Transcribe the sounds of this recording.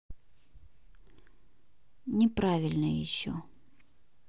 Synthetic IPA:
nʲɪpɾavʲɪlʲnəjɪ̰ɕːo̰

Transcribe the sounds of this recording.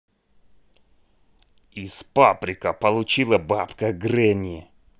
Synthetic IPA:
ɪspapɾʲɪkəpɐlˠʊt͡ɕilˠəbapkəɡɾɛnʲɪɪ

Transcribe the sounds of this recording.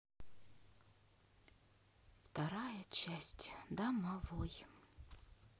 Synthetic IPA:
ft̪ɐɾajət͡ɕæsʲtʲd̪ɐmɐvoj

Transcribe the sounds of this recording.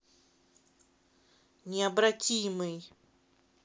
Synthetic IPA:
nʲɪɐbɾatʲimɨj

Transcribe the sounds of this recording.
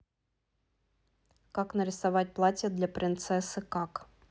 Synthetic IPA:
kaknəɾʲɪsavat̚ʲplˠatʲəd̪lʲapɾʲɪnt̪sɛsɨkak

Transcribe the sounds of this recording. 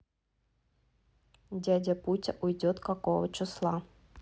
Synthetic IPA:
dʲadʲɐput͡sʲɐ̰ʔujdʲɔt̪kakovət͡ʃɨslˠa

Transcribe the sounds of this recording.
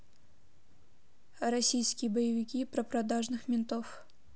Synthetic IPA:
ɾɐsʲijskʲɪjəbəjɪvʲɪkʲipɾəpɾɐd̪aʐnɨxmʲɪnt̪of

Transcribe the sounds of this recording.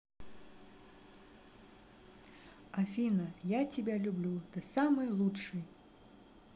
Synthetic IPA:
ɐfʲinɐjat͡sʲɪbʲalʲublʲut̪ɨsamɨjlˠutʂɨj

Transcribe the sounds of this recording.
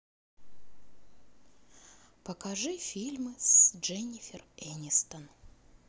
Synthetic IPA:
pəkɐʐɨfʲilʲmɨsʐɛnʲɪfʲɪrɛnʲɪst̪ən

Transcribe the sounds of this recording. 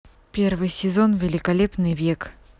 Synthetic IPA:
pʲe̞rvɨjsʲɪzo̞nvʲɪlʲɪkɐlʲe̞pnɨjvʲe̞k

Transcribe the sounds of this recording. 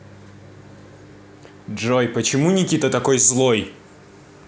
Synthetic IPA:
ʐojpət͡ɕɪmunʲɪkʲit̪ət̪ɐkojzlˠoj

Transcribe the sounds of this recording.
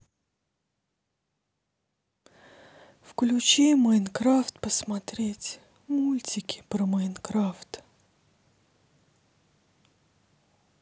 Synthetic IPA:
fklʲʉt͡ɕiməɪnkɾaft̪pəsmat̪ɾʲetʲ | mulʲtʲɪkʲɪ̥pɾəməɪnkɾaft̪

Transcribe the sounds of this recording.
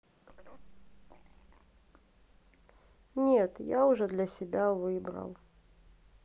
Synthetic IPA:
nʲet̪jaʊʐɛd̪lʲɐsʲɪbʲavɨbɾə̰lˠ

